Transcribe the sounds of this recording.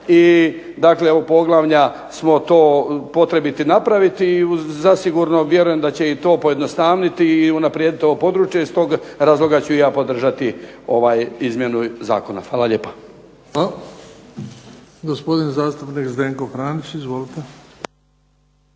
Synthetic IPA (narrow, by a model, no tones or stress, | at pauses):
i | d̪akle̞opo̞ɡlˠaʋɲa | smo̞t̪o̞ːpo̞t̪ɾe̞bit̪inapɾaʋit̪izasiɡuɾno̞ʋje̞ɾuje̞md̪at͡ɕe̞it̪o̞ːpo̞je̞d̪no̞st̪aːʋnit̪iːunapɾijed̪it̪o̞ʋopo̞d̪ɾuːt͡ʃjeist̪o̞ːɡɾaːzlˠo̞ɡat͡ɕujaːpo̞d̪r̩ʒat̪io̞ʋaːjizmje̞nuza̰ːko̞na̰fʋaːlalʎeːpḁ | a | ɡospod̪inzaːst̪upnikzd̪eːŋkofɾaːnit͡ɕizʋolit̪e